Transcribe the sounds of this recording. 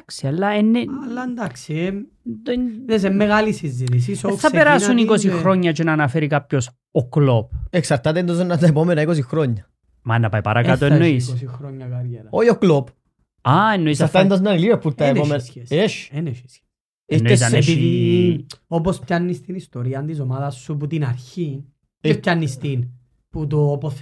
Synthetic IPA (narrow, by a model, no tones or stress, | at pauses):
ksialːaenːeɐlːɐnd̪aksie | d̪esemːeɣalisizːit̪is̬iseɐpeɾasunikosixɾoɲːɐt͡ʃenɐnɐfeɾikap̚ços | oklop̚eksɐɾt̪at̪end̪osonːat̪ɐepomenɐikos̬ixɾoɲːɐ | mɐenːɐpajpɐɾɐkat̪oennːoissixɾoɲːɐkɐɾjeɾɐoioklop | aenːoisɐɾt̪ɐend̪ɐznɐnilivepuɾt̪ɐepomeneʃeni | enːoesɐnepiði | opospçanːist̪inist̪oɾiɐnt̪isomaðɐsːup̬ut̪inɐɾçi | epçɐnːist̪in | put̪̬opos